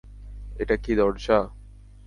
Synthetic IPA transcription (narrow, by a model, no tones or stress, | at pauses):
eʈakid̪ɔɽʃa